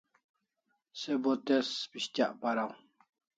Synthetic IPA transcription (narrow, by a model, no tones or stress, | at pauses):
sebot̪espiɕt̪a̰ʔpaɾaw